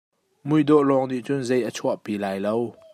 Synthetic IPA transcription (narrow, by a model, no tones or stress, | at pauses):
mujd̪ɔʔlɔŋniʔt͡sʊnzejʔət͡sʰuaʔpilaːjlow